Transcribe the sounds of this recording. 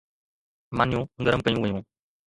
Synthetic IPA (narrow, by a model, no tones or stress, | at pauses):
maːnjũːɡəɾəmkəjũːʋəjũː